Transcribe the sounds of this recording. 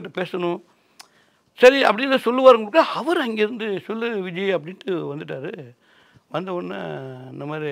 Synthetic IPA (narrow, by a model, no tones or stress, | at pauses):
ʈ̬ːɯpeːsɐnʊ̃ | sɐɾiɐ̰pːɐɽɪɾɐðɐsɔlːɯʋaːɾɯŋɡɐɽɯkːaɐʋɐɾɐŋɡeɪɾɯnd̪ɯsɔlːɯʋɪd͡ʒɐjɐɐp̬ːɐɽɪnʈːɯʋɐnd̪ɯʈ̬ːaːɾɯ | ʋɐnd̪ɐpɐnːa̰ːɪnd̪ɐmaːd̪ɾi